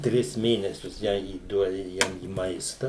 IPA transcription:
ˈtʲrʲɪs ˈmʲeːnʲɛsʲʊs ˈjæː iːˈduɔdʲɪ ˈjɛm iː ˈmɐɪstɐ

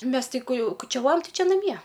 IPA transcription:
ˈmʲɛs tʲɪ kʊ ˈjɛʊ kʊt͡ʃʲɛˈʋoːjɛm ˈtɐɪ ˈt͡ʃʲɪ nɐˈmʲiɛ

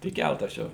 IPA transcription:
tʲɪk ˈkʲælˠtɐs ˈt͡ʃʲɛ

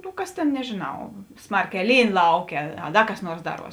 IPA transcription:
nʊ ˈkɐs tʲeːn nʲɛʒʲeːˈnɐʊ ˈsmɐrʲˌkʲɛː ˈlʲiːn ˈlˠɐʊˌkʲeː ɐ ˈdɐ kɐs ˈnuɔrs ˈdɑːˌruɔs

